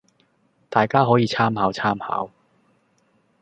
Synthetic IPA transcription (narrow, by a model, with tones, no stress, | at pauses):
t̪aː˨jkaː˥ɦɔː˨˥jiː˨˧t͡sʰaː˥mhaː˨˥wt͡sʰaː˥mha̰ː˨˥w